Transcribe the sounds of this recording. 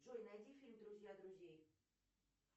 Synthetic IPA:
ʐojnɐjdʲifʲilʲmd̪ɾʊzʲjad̪ɾʊzʲjej

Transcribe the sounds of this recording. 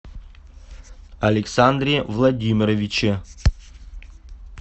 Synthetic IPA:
ɐlʲɪksand̪rʲivlˠɐdʲimʲɪɾovʲit͡ʃʰe

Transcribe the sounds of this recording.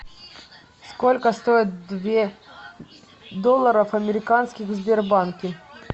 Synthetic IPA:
skolʲkəst̪oɪt̪̚d̪vʲe | d̪olˠːəɾəfɐmʲɪɾʲɪkanskʲɪxzbʲɪrbankʲɪ

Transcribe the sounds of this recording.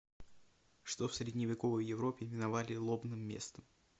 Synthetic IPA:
ʂt̪ofsɾʲɪdʲnʲɪvʲɪko̞vəjːɪvɾo̞pʲɪvʲɪnɐvalʲɪlˠo̞bnɨmːʲe̞̰st̪əm

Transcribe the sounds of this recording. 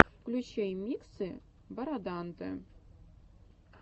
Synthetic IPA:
klʲut͡ɕejmʲiksɨ | bɐɾɑd̪ɑnd̪ɤ̰

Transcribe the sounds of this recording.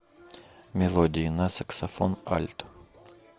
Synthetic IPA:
mʲelˠod̪ʲijnasaksafona̰lʲt̪

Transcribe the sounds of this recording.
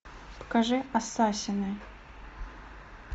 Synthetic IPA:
pə̥kaʐɨasasʲɪnɨ

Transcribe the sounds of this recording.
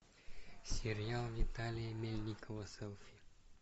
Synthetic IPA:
sʲiɾialˠvit̪alʲijemelʲnʲikʰəvəsəlˠfi

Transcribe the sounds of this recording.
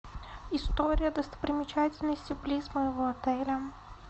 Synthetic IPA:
ɪst̪oɾʲɪjəd̪əst̪ə̥pɾʲɪmʲɪt͡ɕætʲɪlʲnəsʲtʲɪplʲizməɪvoɐt̪ɛlʲə

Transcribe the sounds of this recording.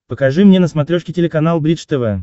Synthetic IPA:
pəkɐʐɨmnʲenəsmɐt̪ɾʲoʂkʲɪtʲɪlʲɪkɐnalˠbɾʲiʂt̪ɛvɛ

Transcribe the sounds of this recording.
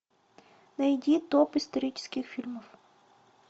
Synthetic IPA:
nɐjdʲit̪opɨst̪ɐɾʲit͡ɕɪ̥skʲɪxfʲilʲməf

